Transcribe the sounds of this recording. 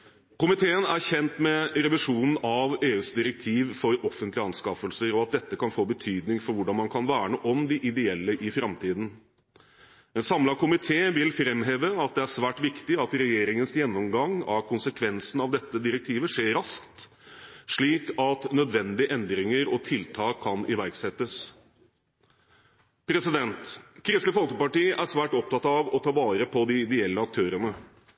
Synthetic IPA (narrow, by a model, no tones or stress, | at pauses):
kʊmɪt̪ʰeːənæɾçɛnt̪mɛɾɛʋɪʂuːnn̩ɑʋeːʉːsd̪ɪɾɛk̚t̪ʰiːʋfɔɾɔfːənt̪lɪɑnskɑfəlsəɾɔɑt̪̚d̪ɛt̪ːəkɑnfoːbət̪ʰyːd̪nɪŋfɔɾʋʊɖɑnmɑnkʰɑnʋæːɳəʔɔmd̪ɪʔɪd̪ɛɛlːəʔɪfɾɑmt̪ʰiːd̪n̩ | ɛnsɑmlɑkʰʊmɪt̪ʰeːʋɪlfɾɛmɦeːʋəɑt̪̚d̪ɛæʂʋæːʈʋɪkt̪ɪɑt̪ɾɛjeːɾɪŋənsjɛnːɔmɡɑŋɑ̰kʰʊnsəkʰʋɛnsn̩ɑʋd̪ɛt̪ːəd̪ɪɾɛk̚t̪ʰiːʋəʂeːɾɑskt̪ | ʂɭiːkɑt̪nœd̪ʋɛnd̪ɪʔɛnd̪ɾɪŋəɾɔt̪ʰɪlt̪ʰɑːkʰːɑnʔɪʋæɾɡsɛt̪ːəs | pʰɾɛsɪd̪ɛnt̪kʰɾɪsəfɔlkəpɑʈiːʔæʂʋæːʈɔp̚t̪ɑt̪ɑʋɔt̪ʰɑːʋɑːɾəpʰɔd̪ɪɪd̪ɛɛlːəɑk̚t̪ʰøːɾənə